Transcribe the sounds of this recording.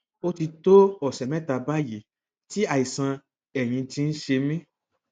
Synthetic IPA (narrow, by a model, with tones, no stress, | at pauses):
o˦ti˧to˦ɔ˨sɛ˨mɛ̃˦ta˧ba˦ji˨˦ | ti˦a˨i˨sã˧ | ɛ˨j̃ĩ˧ti˧˦n̩˦ʃe˧mĩ˦